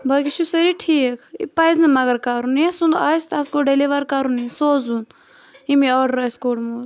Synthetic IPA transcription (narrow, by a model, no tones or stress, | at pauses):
bʱɐkit͡ʃʰusɐɾiʈʰiːkʰḭpɐjzɨmɐɡɐɾkaɾuniesund̪ɐst̪ɐskoɖeliʋɐɾkɐɾunisoːzun | imiɔːɖɾɐskoːɖmuːz